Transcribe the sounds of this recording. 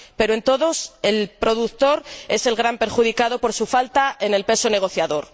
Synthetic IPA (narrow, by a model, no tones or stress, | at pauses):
pe̞ɾoent̪o̞ðo̞se̞lpɾo̞ðukt̪o̞ɾe̞se̞lɣɾampe̞ɾxuðikaðo̞po̞ɾsufalt̪aenelpe̞so̞ne̞ɣ̞o̞θjaðo̞ɾ